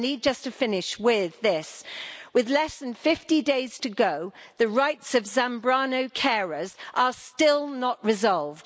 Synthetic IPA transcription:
nid̚d͡ʒʌstʰɨfɪ̃nɪʃwɪðɪswɪðlɛsðə̃nfɪftideɪz̥tʰɨɡoʊðəɹaɪtsəvzæ̃mbɹɑnoʊkʰɛɹəzʔəstɪlˠnəʔɹɪzɒlˠvd̥

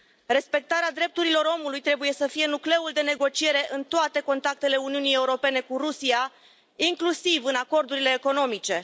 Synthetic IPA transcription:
re̞spe̞k̚t̪aɾead̪ɾe̞p̚t̪uɾilo̞ɾo̞mulujt̪ɾe̞buje̞səfije̞nukle̞uld̪e̞ne̞ɡo̞t͡ʃie̞ɾe̞ʔɨnt̪oat̪e̞ko̞nt̪ak̚t̪e̞le̞uniunije̞uɾo̞pe̞ne̞kuɾusia | iŋklusivɨnako̞rd̪uɾile̞ːko̞no̞mit͡ʃe̞

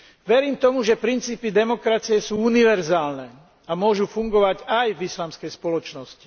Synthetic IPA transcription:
ʋɛɾiːmt̪ɔmuʒɛpɾint͡siːpid̪ɛmɔkɾat͡sijɛsuːuniʋɛɾzaːlnɛː | amʊɔʒufuŋɡɔʋaɟajvislaːmskɛjspɔlɔt͡ʃnɔsci̥

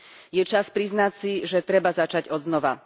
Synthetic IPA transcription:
jɛt͡ʃaspɾiznacsiʒɛt̪ɾɛbazat͡ʃaɟɔd̪znɔʋa̰

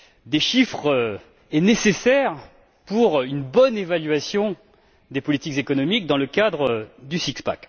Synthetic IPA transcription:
d̪eʃifχø | ɛnesesɛʁ | puʁynbɔnevalɥasjɔ̃ | d̪epɔlit̪ikzekɔnɔmik̚d̪ɑ̃ləkad̪ʁəd̪ysikspa̰k

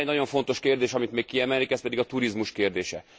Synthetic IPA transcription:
ɛɟnɒɟo̞ɱfo̞n̪t̪o̞ʃkeːrd̪eːʃɒmit̪meːkkːiɛmɛlikɛspɛd̪iɡɒt̪uɾizmuʃkeːrd̪eːʃɛ

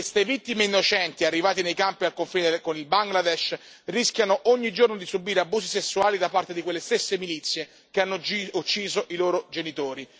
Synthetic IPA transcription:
west̪evit̪ːimeinːot͡ʃɛnt̪iarːivaːt̪inejkampialkoɱfiːnekonilbaŋɡlad̪ɛʃ | riskjanoʔoɲːid͡ʒornod̪isubiːɾeabːuːsisesːuaːlid̪apart̪ed̪ikwelːest̪esːemilit̪sːje | keanːout͡ʃːiːzoʔiloːɾod͡ʒenit̪oːɾi

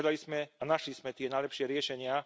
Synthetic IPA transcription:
d̪alizmɛanaʃlizmɛt̪ɪɛnajlɛpʃɪɛɾɪɛʃɛɲɪa

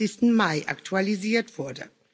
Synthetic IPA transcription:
ɪstn̩maɪʔa̰ktʰualiziːɐtv̥ʊɐdə̰

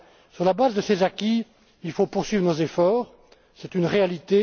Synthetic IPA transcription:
syʁlabazd̪əsezakʲi | ilfopuʁsɥiːvʁənozefɔːʁ | sɛt̪ynʁealit̪e

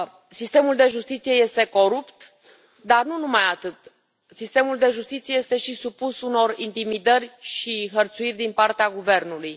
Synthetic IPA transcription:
sist̪e̞muld̪e̞ʒust̪it̪sije̞je̞st̪e̞ko̞ɾupt̪ | d̪arnunumajat̪ɨt̪ | sist̪e̞muld̪e̞ʒust̪it̪sijeje̞st̪e̞ʃisupusuno̞rint̪imid̪ərʲʃiɦərt̪suirʲd̪inpart̪eaɡuve̞rnuluj

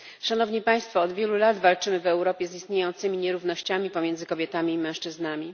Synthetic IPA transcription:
ʂanɔvɲipaj̃st̪fɔːd̪vʲjɛlulad̪valt͡ʂɘmɘvɛwɾɔpʲjɛzist̪ɲejɔnt̪sɘmʲiɲɛɾuvnɔɕt͡ɕamʲipɔmʲjɛnd̪zɘkɔbʲjɛt̪amʲiːmɛ̃w̃ʂt͡ʂɘznamʲi

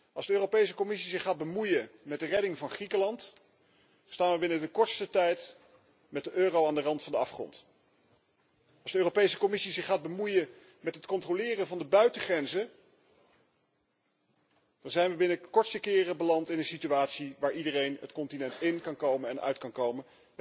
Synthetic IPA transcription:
ɑlˠzdəøːropejs̬əkomɪsizɪχaːd̚bəmujənmɛt̚dərɛdɪŋvɑnχrikəlɑnt | staːnʋəbɪnədəkɔɹtstətɛjt | mɛt̚dəʔøːrowaːndərɑntfɑndəɑfχrɔ̰nt | ɑlˠzdəøːrowpejsə̥kɔmɪsizɪχaːd̚bəmujən | mɛtɦətkɔntrolɪːrəvɑndəbœɥtəχrɛnzə | d̥ɑnzɛjnʋəbɪnəkɔɹtstəkɪːrəbəlɑntɪnənsityaːtsiʋaːɹidərejnətkɔntinɛntɪnkɑnkowmənɛnœ̰ɥtkɑnkowmən

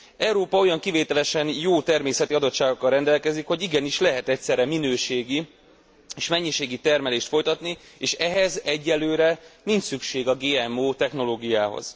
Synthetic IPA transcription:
ɛwɾoːpɒo̞jɒŋkiveːt̪ɛlɛʃɛnjoːt̪ɛrmeːsɛt̪iɒd̪o̞t̪ʃaːɡokːɒlrɛnd̪ɛlkɛzikho̞ɟiɡɛniʃlɛɦɛt̪ɛcsɛɾɛminøːʃeːɡi | eːʃmɛɲːiʃeːɡit̪ɛrmɛleːʃt̪fo̞jt̪ɒt̪nieːʃɛɦɛzɛɟːɛlːøːɾɛniɲt͡ʃsykʃeːɡɒɡeːɛmoːt̪ɛxno̞loːɡijaːɦo̰z̥

